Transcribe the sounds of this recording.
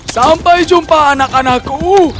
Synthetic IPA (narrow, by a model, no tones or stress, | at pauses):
sampajd͡ʒumpaːnakanaku